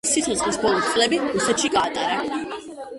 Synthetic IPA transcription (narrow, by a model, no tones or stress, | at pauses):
ssit̪ʰɔsχlisbɔlˠɔt̪sʼlɛbiɾusɛt̪ʃiɡaːt̪ʼaɾa